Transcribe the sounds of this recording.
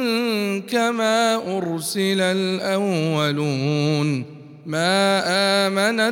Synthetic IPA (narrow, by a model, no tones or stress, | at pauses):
kamaːʔʊɾsɪlalʔawːaluːn | maːʔaːmana